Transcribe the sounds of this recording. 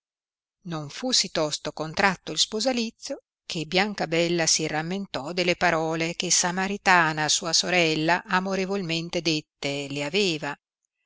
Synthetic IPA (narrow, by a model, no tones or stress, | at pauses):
noɱfusit̪ɔst̪okont̪ɾat̪ːoilspozalit̪sːjo | kʰebːjaŋkabɛlːasiramːent̪ɔd̪elːepaɾɔːlekesamaɾit̪aːnasuːasoɾɛlːaʔamoɾevolment̪ed̪et̪ːeleaveːva